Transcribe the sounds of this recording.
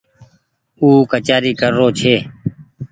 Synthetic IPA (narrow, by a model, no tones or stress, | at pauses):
uːkət͡ʃaːɾiːkəɾːoːt͡ʃʰeː